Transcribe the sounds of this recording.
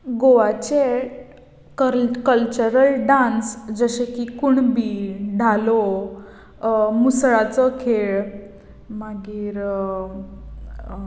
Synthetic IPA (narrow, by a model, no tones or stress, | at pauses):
ɡoʋat͡ɕe | kəkəlt͡ɕəɾəlɖãnsd͡zəɕekikuɳbiːɖʱalo | musɭat͡səkʰeɭ | maɡiːɾ